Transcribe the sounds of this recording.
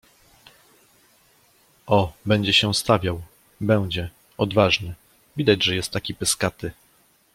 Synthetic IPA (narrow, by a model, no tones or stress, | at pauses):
ʔɔbɛɲd͡ʑɛɕɛst̪avʲjaw | bɛw̃d͡ʑɛ | ɔd̪vaʐɲɛ | vʲid̪ad͡ʑʐɛjɛst̪ːakʲipɘskat̪ɘ